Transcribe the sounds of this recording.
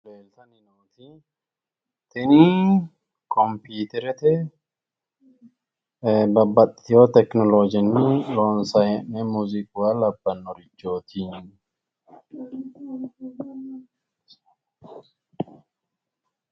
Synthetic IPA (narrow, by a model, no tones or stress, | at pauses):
leːlt̪ɐnɪnoːt̪i | t̪ɪni | kɔmpiːt̪ɛɾɛt̪ɛ | bɐbːɐt̪ʼɪjot̪ɛknɔlod͡ʒɪnːɪloːnsɐjɛʔɛmuːzikwalɐbːɐnːɔɾɪt͡ʃːoːt̪ʰi